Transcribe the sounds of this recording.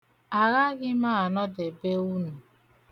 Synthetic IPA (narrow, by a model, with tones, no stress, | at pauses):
a˨ɣa˦ɡɪ˦ma˦a˨nɔ˦de˨be˦u˦nu˨